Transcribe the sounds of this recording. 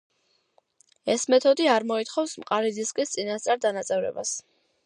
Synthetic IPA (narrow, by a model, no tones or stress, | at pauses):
ɛsmɛt̪ʰɔd̪iaɾmɔit̪χɔfsmqʼaɾid̪ziskʼist̪sʼinast̪sʼaɾd̪anat̪sʼɛvɾɛ̰ba̰s